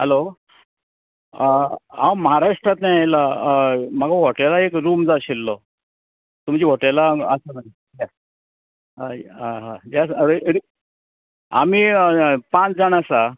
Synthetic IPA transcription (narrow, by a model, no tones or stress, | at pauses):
ɦəlo | ãwməɦaɾaʂʈɾat̪najajla | maɡaɦɔʈelaekɾumd͡zaɕilːɔ | t̪um̤t͡ɕiːɦoʈelaəsənai | a | ɦaɦad͡ʑasɽi | a̰m̤iːpãt͡sd͡zaɳasa